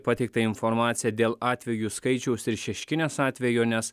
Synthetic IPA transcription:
pɐt̪ʲɛɪk̚t̪ɐɪnfɔɾmɑːt̪sʲɪjɛd̪ʲeːlˠɑːt̪ʲʋʲɛjuːskɐɪt͡ʃʲɛʊsɪɾʃʲɛʃʲkʲɪnʲeːsɑːt̪ʲʋʲɛjoːnʲɛs

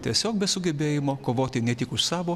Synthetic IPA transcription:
t̪ʲiɛsʲoːk̚bʲɛsʊɡʲɛbʲeːjɪmoːkoːʋoːt̪ʲɪnʲɛt̪ʲɪkʊʃsɑːʋoː

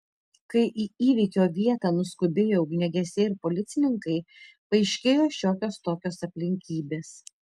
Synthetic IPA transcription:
kɐɪʔiːiːʋʲiːkʲoːʋʲiɛt̪ɑːnʊskʊbʲeːjoʊɡʲnʲɛɡʲɛsʲɛɪɾpoːlʲɪt̪sʲɪnʲɪŋkɐɪ | pɐɪʃʲkʲeːjoːʃʲoːkʲoːst̪oːkʲoːsɐpʲlʲɪŋʲkʲiːbʲeːs

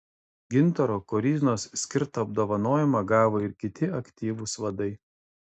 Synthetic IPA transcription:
ɡʲɪnt̪ɐɾoːkɔɾʲiːzʲnoːssʲkʲɪɾt̪ɐɐb̚d̪oːʋɐnoːjɛmɐɡɑːʋoːɪɾkʲɪt̪ʲɪɐkʲt̪ʲiːʋusʋɐd̪ɐɪ

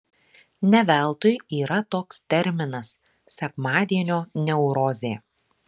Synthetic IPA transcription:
nʲɛʋʲælˠt̪ʊjiːɾɐt̪oːkst̪ʲɛɾʲmʲɪnɐs | sʲɛkmɑːd̪ʲiɛnʲoːnʲɛʊɾoːzʲeː

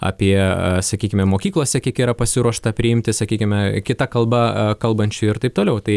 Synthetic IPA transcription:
ɐ̰pʲiɛsɐkʲiːkʲɪmʲɛmoːkʲiːklˠoːsʲɛkʲiɛkiːɾɐpɐsʲɪɾuɔʃt̪ɐpʲɾʲɪɪmʲt̪ʲɪsɐkʲiːkʲɪmʲɛkʲɪt̪ɐkɐlˠbɐkɐlˠbɐnʲt͡ʃʲʊɪɾt̪ɐɪp̚t̪oːlʲɛʊt̪ɐɪ

